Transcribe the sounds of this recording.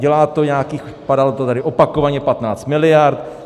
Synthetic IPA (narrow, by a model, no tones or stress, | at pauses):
ɟɛlaːt̪oɲaːkiːxopadalot̪ot̪adɪʔopako̞vaɲɛpat̪naːt͡st̪mɪlɪjaɾt̪